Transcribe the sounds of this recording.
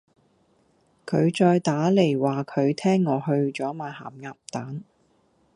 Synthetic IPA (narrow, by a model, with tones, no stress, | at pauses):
kʰɵ˨˧ɥt͡ʃɔː˧jt̪aː˨˥le˨˩jwaː˨˩kʰɵ˨˧ɥt̪ʰɛː˥ŋːɔː˨˧ɦɵ˧ɥt͡ʃɔː˨˥maː˨˧jha̰ː˨˩mŋaː˧p̚t̪aː˨˥n